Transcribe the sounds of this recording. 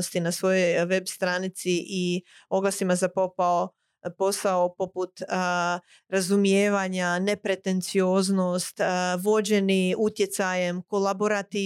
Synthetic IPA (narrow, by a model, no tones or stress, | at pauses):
ost̪inasʋo̞jojʋe̞bst̪ɾaːnit̪siʔio̞ɡlˠasimazapo̞pao | po̞saopoput̪ | ɾazumije̞ːʋaɲane̞pɾe̞t̪e̞nt̪sio̞ːzno̞st̪ʋo̞d͡ʑe̞niut̪je̞t̪saje̞mko̞labo̞ɾat̪i